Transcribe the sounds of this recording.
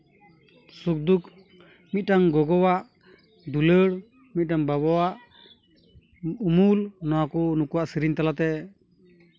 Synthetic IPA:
suk̚d̪uk | mit̪̚ʈaŋɡɔɡɔwaʔ | d̪uləɽ | mit̪̚ʈaŋbaβɔwaʔ | umulnɔwakɔnukuwaʔsiɾiɲt̪alat̪ɛ

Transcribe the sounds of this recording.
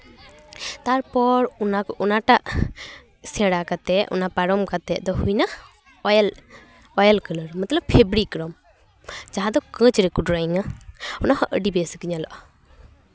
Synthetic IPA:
t̪aɾpɔɾɔnakɔʔɔnaʈaʔ | sɛ̃ɽakat̪ɛʔɔ̰napaɾɔmkat̪ɛʔ̚d̪ɔhujna | l | ɔjəlkələɾmət̪ləb̚ʰebɾikɾɔm | d͡ʒaɦãd̪ɔkə̃t͡ʃɾɛkuʈɾajiŋaɔnahəʔəɖibɛskiɲalɔ̰ʔa

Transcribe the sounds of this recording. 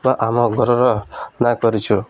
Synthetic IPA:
baʔamɔ̃ɡʱɔɾɔɾɔnakɔɾit͡ʃʰu

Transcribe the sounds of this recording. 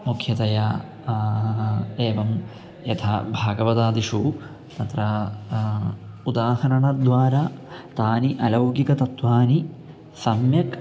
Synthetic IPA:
mukʰjɐt̪ɐja | eːʋɐm | jɐt̪ʰa̰bʱaːɡɐʋɐd̪aːd̪iʂu | t̪ɐt̪ɾɐ | ud̪aːhɐɾɐɳɐd̪ʋaːɾat̪aːniʔɐlɐwɡikɐt̪ɐt̪ʋaːni | sɐmjɐk

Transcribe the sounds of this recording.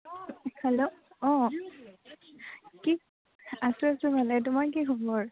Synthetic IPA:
hɛlo | ɔ̃ | ki | asʊasʊbalɛtʊmaɹk̬ixɔbɔɹ

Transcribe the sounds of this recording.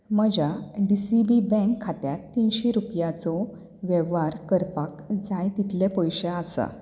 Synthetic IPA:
məd͡ʑaɖisibibɛ̃kʰːat̪jat̪ːinɕeɾupjat͡sɔ | ʋeʋaɾkəɾpakd͡zajt̪it̪lepəjɕeasa̰

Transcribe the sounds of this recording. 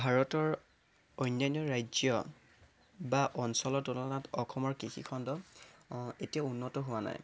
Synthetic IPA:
bʱaɹɔtɔɹ | ojnjaniɔɹajzjɔ | baʔɔnsɔlɔtɔnɔlɔnatɔxʰɔmɔɹkixḭkʰɔndɔ | etijaunːɔtɔɦʊwana̰j

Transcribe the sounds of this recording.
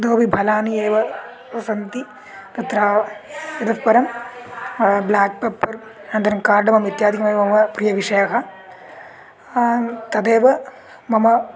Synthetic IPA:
d̪oːbibʱɐlaːnieːʋɐ | sɐnt̪i | ɾɐt̪ɾaːɐd̪ɐspɐɾɐm | blaːk̚pepːɐɾ | nɐnd̪ɐɾɐmkaːɾɖɐmɐmit̪jaːd̪ʱikɐmɐjmɐmɐpɾijɐʋiʂɐjɐɦɐ | t̪ɐd̪eːʋɐ | mɐmɐ

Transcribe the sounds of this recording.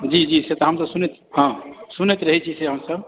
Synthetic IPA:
d͡ʒid͡ʒiset̪aɦəmsɔsunet̪ɦãsunet̪ɾəɦɛt͡ʃʰiseɦəmsəb

